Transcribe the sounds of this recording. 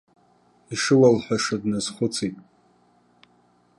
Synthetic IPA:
iʂɨwalħʷᶣaʂadnazχʷʊt͡sʰitʼ

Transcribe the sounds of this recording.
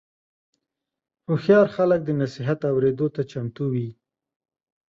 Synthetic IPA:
ɾuxjɑɾxalək̚d̪ənasiɦat̪awɾed̪ot̪at͡ʃamt̪uwi

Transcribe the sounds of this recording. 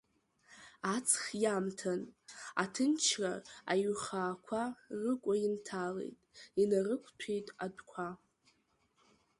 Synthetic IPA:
at͡sʰχjamtʰana̰tʰɨnt͡ʃʰraːjχaːkʷʰarɨkʷʼaintʰale̞̰jtʼinarɨkʷʰtʷʰejtʼadkʷʰa

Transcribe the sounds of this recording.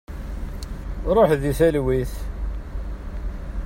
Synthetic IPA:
ɾˤoħðiθælwiθ

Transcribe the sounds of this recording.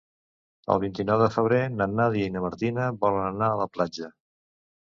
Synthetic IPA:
ə̰lˠβint̪inɔwðəfəβɾenənaðiinəməɾt̪inəβɔlənənaələplad͡ʒə

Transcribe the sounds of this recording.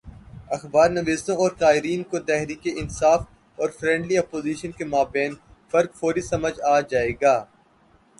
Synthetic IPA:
ɐxbaːɾnɐʋeːsõɔːɾkaːɦɪɾiːnkot̪ɛɦɾiːkeʔɪnsaːf | ɔːɾfɾɛ̃ːɳɖliɐːpoːziːʃənkemaːbɛːnfɐɾkfoːɾisɐməd͡ʒaːd͡ʒaːeːɡaː

